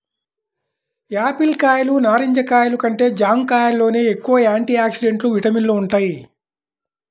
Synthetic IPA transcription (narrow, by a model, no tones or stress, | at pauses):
aːpilkaːjɐlunaːɾiɲd͡ʒɐkaːjɐlukɐɳʈe̞ːd͡ʒaːmkaːjɐlːo̞ːne̞ːekːuʋɐjaːɳʈiːaːksiɖe̞ɳʈluʋiʈɐmilːouɳʈaːji